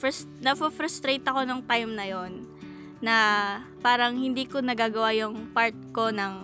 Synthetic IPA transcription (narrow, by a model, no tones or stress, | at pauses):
ɐs | nɐfofɾɐst̪ɾejt̪ɐko̞noŋt̪ajmnɐjo̞nː | ɐpaːɾɐŋhɪnd̪iːkonɐɡaːɡɐwajʊŋpaɹt̪̚ko̞nɐŋ